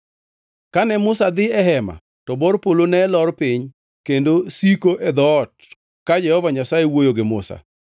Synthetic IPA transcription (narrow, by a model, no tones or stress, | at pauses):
kanɛmʊsad̪ɪɛɦɛma̰ | tɔbɔɾpolonɛlɔrpɪɲ | kendosikoʔɛd̪ɔt̚ | kad͡ʒɛhɔvaɲasajewojoɡɪmʊ̰sa̰